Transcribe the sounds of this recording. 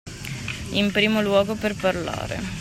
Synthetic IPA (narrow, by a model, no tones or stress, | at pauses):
impɾiːmolwɔːɡoperparla̰ːɾḛ